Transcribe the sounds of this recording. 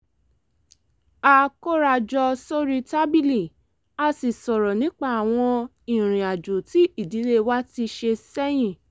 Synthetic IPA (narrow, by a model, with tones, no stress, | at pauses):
a˦ko˦ɾa˧d͡ʒɔ˧so˦ɾi˧ta˦bi˦li˨ | a˧si˨sɔ˨ɾɔ˨nĩ˨˦k͡pa˦a˨w̃ɔ̃˧ | i˨ɾ̃ĩ˨a˨d͡ʒu˨ti˨˦i˦˨di˨˦le˦wa˦ti˧ʃe˧sɛ˦j̃ĩ˦˨